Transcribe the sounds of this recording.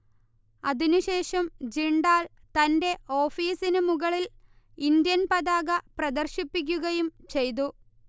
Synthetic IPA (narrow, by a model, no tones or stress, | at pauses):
ɐðinuɕe̞ːʂɐmd͡ʑiɳɖaːl | t̪ɐnde̞o̞ːfiːsinɨmuɣɐɭil | ind̪jɐnpɐðaːɡɐprɐd̪ɐrɕipːik̬ʲːuɣɐjumt͡ɕe̞jt̪̬u